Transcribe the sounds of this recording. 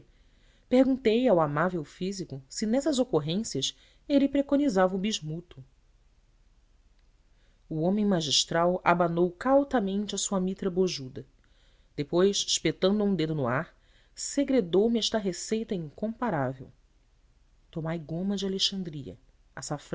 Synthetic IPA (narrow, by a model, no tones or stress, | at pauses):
pehɡũnt̪ejawamavewfizikʊsɪnɛsɐzokoɦẽsiɐs | elɪpɾekonizavɐubiʒmut̪ʊ | uõmẽj̃maʒiʃt̪ɾawabanowkawt̪ɐmẽnt͡ʃɪɐsuɐmit̪ɾɐboʒud̪ɐ | d̪̥epojʃʃpet̪ɐ̃nd̪uũd̪ed̪ʊnʊaɾ | seɡɾed̪owmɪɛʃt̪ɐɦesejt̪ɐĩŋkõmpaɾavḛw | t̪omajɡõmɐd͡ʒɪaleʃɐ̃nd̪ɾiɐ̰ | asaf